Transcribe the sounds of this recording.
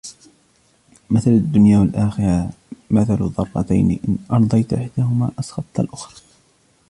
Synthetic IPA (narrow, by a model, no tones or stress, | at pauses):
mɪθalad̪ːʊnjaːwalʔaːxɪɾɑ | maθalðˤɑrˤːɑ̰t̪a̰jnḭʔɪnʔɑɾˤd̪ˤɑjt̪ʔɪħd̪aːhʊma̰ːʔɑsxɑt̪ˤt̪a̰lʔʊxɾˤɑ